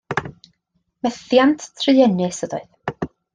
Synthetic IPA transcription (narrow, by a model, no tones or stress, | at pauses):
mɛθjantʰtʰrɨɛnɨsədɔ̰ɨð